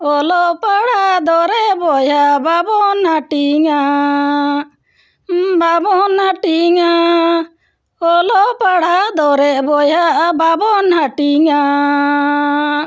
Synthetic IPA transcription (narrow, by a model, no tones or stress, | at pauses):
ɔlɔpaɽad̪ɔɾɛʔbɔjɦababɔnhaʈiŋa | babɔnhaʈiŋa | ɔlɔpaɽad̪ɔɾɛʔbɔjɦababɔnhaʈiŋa